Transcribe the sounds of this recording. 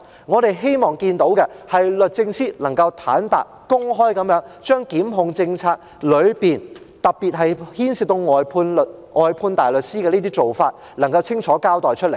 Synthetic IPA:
ŋɔː˨˧t̪e˨jɦe˥jmɔː˨˩ŋkiː˧nt̪o˨˥wkɛ˧hɐ˨jlɵ˨t̚t͡sɪ˧ŋsiː˥lɐ˨˩ŋkɐ˧wt̪ʰaː˨˥nt̪a̰ː˨˩t̚kʊ˥ŋɦɔː˥jkɐ˨˥mjœː˨˥ŋt͡ʃœː˥ŋkiː˨˥mɦʊ˨˧ŋt͡sɪ˧ŋt͡sʰaː˧k̚ | lɵ˨˧ɥpiː˨˩n | t̪ɐ˨k̚piː˨˩t̚ɦɐ˨jhiː˥nsi˨t̚t̪o˧wŋɔː˨jpʰuː˧nlt̚ʔɔː˨jpʰuː˧nt̪aː˨jlɵ˨t̚siː˥kɛ˧liː˥t̪iː˥t͡so˨wfaː˧t̚ | lɐ˨˩ŋkɐ˧wt͡sʰɪ˥ŋt͡ʃʰɔː˨˥kaː˥wt̪ɔː˨˩jt͡ʃʰɵ˥le˨˩j

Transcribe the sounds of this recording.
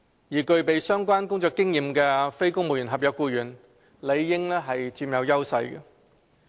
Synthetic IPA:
jiː˨˩kɵ˧ɥpe˨˧jsœː˥ŋkʷaː˥nkʊ˥ŋt͡ʃœː˧kːɪ˥ŋjiː˨˧mkɛː˧fe˥jkʊ˥ŋmo˨wjy˨˩nɦɐ˨p̚jɐ˨˧kuː˧jyː˨˩n | le˨˧jːɪ˥ŋlɛː˥ɦɐ˨jt͡siː˧mjɐ˨˧wjɐ˥wsɐ̰˧jɡɛ̰˧

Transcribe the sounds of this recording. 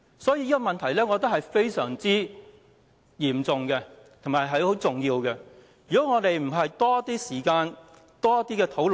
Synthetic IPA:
sɔː˨˥jiː˧˦iː˥kɔ˧mɐ˨nt̪ʰɐ˨˩jlɛː˥ŋɔː˨˧t̪̬ɐ˥k̚hɐ˨jfe˥jsœː˨˩ŋt͡siː˥ | jiː˨˩mt͡sʊ˨ŋkɛ˧ | t̪ʰʊ˨˩ŋmaː˨˩jɦɐ˨jho˨˥wt͡sʊ˨ŋjiː˧wkɛ˧ | jyː˨˩kɔ˨˦˥ŋɔː˨˧t̪e˨jm̩˨˩ɦɐ˨jt̪ɔː˥ɐ˥t̪ːiː˥siː˨˩kaː˧n | t̪ɔː˥ɐ˥t̪ːiː˥kɛː˧t̪ʰo˨˥wl

